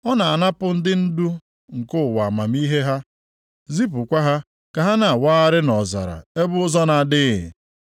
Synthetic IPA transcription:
ɔ˦na˨a˨na˦pʊ˦n̩˦dɪ˦n̩˦du˦ | ŋ̩˨kʊ˦ʊ˨wa˨ma˨mi˦ɦe˦ɦa˦ | zi˦p̬ʊ˨kʷa˦ɦa˦ | ka˨ɦa˦na˨waː˦a˦ɾɪ˦nɔ˨za̰˨ɾa̰˨e˦bʊ˦ʊ˦zɔ˦na˨dɪ˦ɪ̰˨

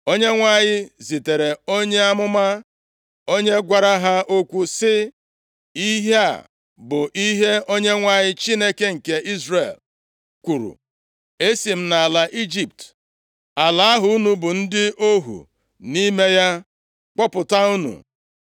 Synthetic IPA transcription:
o˦ɲe˦ŋʷa˦ɲɪ˦zi˨te˨ɾe˨o˦ɲe˦a˦mʊ˦ma˦ | o˦ɲe˦ɡʷa˨ɾa˦ɦa˦o˦kʷu˦sɪ˦ | i˦ɦe˦a̰˨ | bʊ˨ʔi˦ɦe˦o˦ɲe˦ŋʷa˦ɲɪ˦t͡ʃi˦ne˦ke˦ŋ̩˨ke˦ʔi˦zre˨l | kʷu˨ɾṵ˨ | e˦si˨m̩˦na˨la˨ʔi˦d͡ʒi˨p̚t | a˨la˨a˦ɦʊ˨u˦nu˨bʊ˨n̩˦dɪ˦o˦ɦṵ˨ | ni˦me˦ja˦ | k͡pɔ˦pʊ˨ta˦u˦nṵ˨

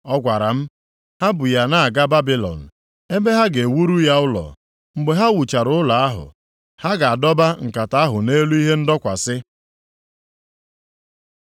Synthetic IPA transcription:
ɔ˦ɡʷa˨ɾa˨m̩˦ | ha˦bʊ˨ja˨na˦a˨ɡa˦ba˦bi˦lɔ̰˨n̩˨ | e˦me˦ɦa˦ɡe˨wu˦ɾu˦ja˦ʊ˦lɔ̰˨ | ŋ͡m̩˦ɡ͡be˦ɦa˦wu˨t͡ʃa˨ɾʊ˨˦ʊ˦la˨a˦ɦʊ̰˨ | ha˦ɡa˨a˨dɔ˦ba˦ŋ̩˨ka˨ta˦a˦ɦʊ˨ne˦lu˦i˦ɦe˦n̩˦dɔ˦kʷa˨sɪ˦

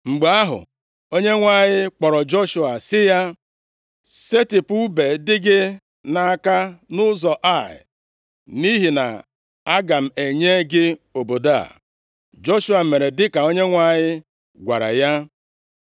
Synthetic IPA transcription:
ŋ͡m̩˨ɡ͡ba˦ɦʊ̰˨ | o˦ɲe˦ŋʷa˦ɲɪ˦k͡pɔ˨ɾɔ˨d͡ʒo˦ʃu˦a˨sɪ˦ja˦ | se˦tɪ˨pu˦be˨dɪ˦ɡɪ˦ | na˨a˦˨ka˦nʊ˦zɔ˨ʔa˦˨ɪ̰˨ | ni˦ɦi˨na̰˨ | a˦ɡa˨m̩˨e˨ɲe˦ɡɪ˦o˨bo˨da̰˦˨ | d͡ʒo˦ʃu˦a˨me˨ɾe˨dɪ˦ka˨o˦ɲe˦ŋʷa˦˨ɲɪ˦ | ɡʷa̰˨ɾa̰˨ja˦

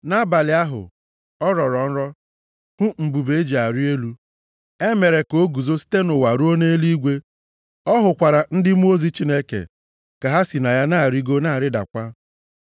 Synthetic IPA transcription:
na˦ba˨lɪ˨a˦ɦʊ̰˨ | ɔ˦ɾɔ˨ɾɔ˨n̩˦ɾɔ˦ | hʊ˦m̩˨bu˨be˨˦d͡ʒi˨a˨ɾi˦e˦lu˦ | e˦me˨ɾe˨ko˦ɡu˨zo˦si̥˦te˦nʊ˨wa˨ɾu˦o˦ne˦li˦ɡʷe˦ | ɔ˦ɦʊ˨kʷa˨ɾa˨n̩˦dɪ˦m˦o˦zi˦t͡ʃi˦ne˦kḛ˨ | ka˨ɦa˦si˨na˨ja˦na˦˨ɾi˦ɡo˦na˦a˨ɾɪ˦da̰˨kʷa˦

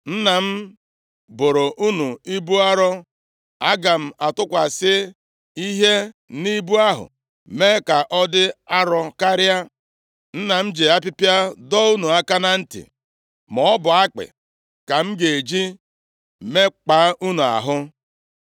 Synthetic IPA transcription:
n̩˦na˨m̩˦ | bʊ˨ɾo˨ʔu˦nu˨i˦bu˦a˦ɾɔ˦ | a˦ɡa˨m̩˨a˨tʊ˦kʷa˨sɪ˦ | i˦ɦe˦ni˦bu˦a˦ɦʊ̰˨ | me˦ka˨ʔɔ˦dɪ˦a˦ɾɔ˦ka˦ɾja˦ | n̩˦na˨m̩˦d͡ʒe˨a˦pɪ˦pja˦dɔ˦u˦nu˨a˦ka˦na˦n̩˦tɪ̰˨ | mɔ˨˦bʊ˨a˦k͡pɪ̰˨ | ka˨m̩˦ɡe˨d͡ʒi˦ | me˦k͡pa˨˦ʔu˦nu˨a̰˨ɦʊ˦

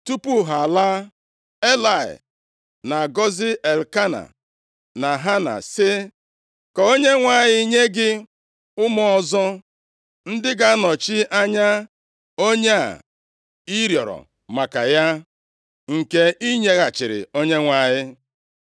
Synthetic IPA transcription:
tu˦pu˦ɦa˨la˦ | e˦la˨ɪ̰˨ | na˨ɡɔ˦zɪ˦ʔe˨lka˦na̰˨ | na˨ɦa˦na̰˨sɪ˦ | kɔ˨o˦ɲe˦ŋʷa˨ɲɪ˦ɲe˦ɡɪ˦ | ʊ˦mɔ˦˨ɔ˦zɔ˦ | n̩˦dɪ˦ɡa˦nɔ˨t͡ʃɪ˦ʔa˦ɲa˦ | o˦ɲe˦a̰˨ | i˦ɾjɔ˨ɾɔ̰˨ | ma˨ka̰˨ja˦ | ŋ̩˨ke˦i˦ɲe˦ɣa˨t͡ʃɪ˨ɾɪ̰˨o˦ɲe˦ŋʷa˨ɲɪ˦

